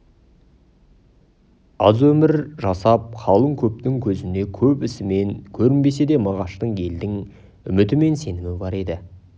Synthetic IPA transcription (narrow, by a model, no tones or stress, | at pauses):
ɑzwɵmɪɾʒɑsɑp̚qʰɑlˠəɴkʲʰɵp̚t̪ɪŋkʲʰɵzɪnd̪e̞kʲʰɵpɪsɪme̞ŋkʲʰɵɾɪnbe̞se̞d̪e̞mɑʁɑʃt̪əɴe̞ld̪ɪŋ | ʏ̰mɪt̪ɪme̞nse̞nɪmɪbɑɾe̞d̪ɪ